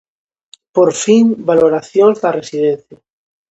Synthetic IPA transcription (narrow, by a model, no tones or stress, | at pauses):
poɾfiŋbaloɾaθjonzd̪aresið̞ẽnθja